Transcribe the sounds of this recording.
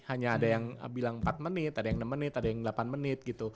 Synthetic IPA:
haɲaːdajaŋ̰bilaŋəmpat̪̚mənɪt̪adajaŋnəmːənɪt̪adajaŋdəlapanmənɪt̪̚ɡit̪u

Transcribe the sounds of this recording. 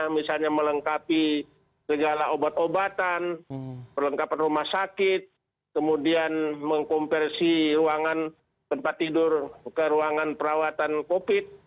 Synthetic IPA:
misalɲamələŋkapi | səɡalaobat̪obat̪anpərləŋkapanrumahsakɪt̪̚ | kəmudianməŋkɔmpɛrsiruaŋan | t̪əmpat̪ːidʊrkəɾuaŋanpəɾawat̪ankopɪt̪̚

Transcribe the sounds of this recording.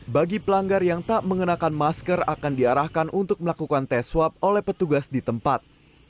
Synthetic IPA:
baɡipəlaŋɡarjaŋt̪aʔməŋənakanmaskəra̰kandiaɾahkanʔunt̪ʊk̚məlakukant̪ɛswap̚olɛhpət̪uɡasdit̪əmpat̪̚

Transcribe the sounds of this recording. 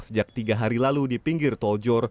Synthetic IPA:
səd͡ʒak̚t̪iɡaɦaɾilaludipiŋɡɪrt̪ɔld͡ʒɔr

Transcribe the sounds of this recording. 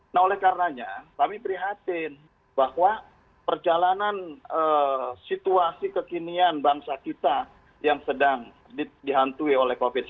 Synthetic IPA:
naɦolɛhkaɾənaɲakamipəɾiɦat̪ɪn | bahwa | pərd͡ʒalananəsit̪uasikəkinianbaŋsakit̪a | jaŋsədaŋ | didiɦant̪uiolɛhkofɪt̪

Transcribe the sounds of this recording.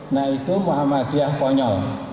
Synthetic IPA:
naikumoamakiahpɔɲɔl

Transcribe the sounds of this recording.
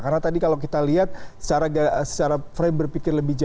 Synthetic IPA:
karnat̪adikalawkit̪aliɦat̪̚sə̥t͡ʃaɾaɡsə̥t͡ʃaɾafɾambərpikɪrləbɪhd͡ʒa

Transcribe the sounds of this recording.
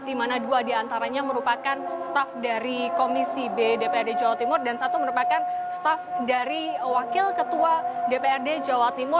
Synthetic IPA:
dimanaduadiant̪aɾaɲaməɾupakanst̪afdaɾikomisibedepeɛrded͡ʒawat̪imʊrdansat̪uməɾupakanst̪afdaɾiwakɪlkət̪uadepeɛrded͡ʒawat̪imʊr

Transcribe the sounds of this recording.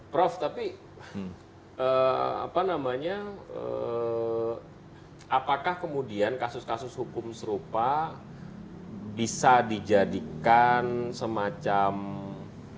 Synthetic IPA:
pɾɔft̪api | əa̰panamaɲaə̰ | apakahkəmudiankasʊskasʊshukʊmsəɾupa | bisadid͡ʒadikansəmat͡ʃam

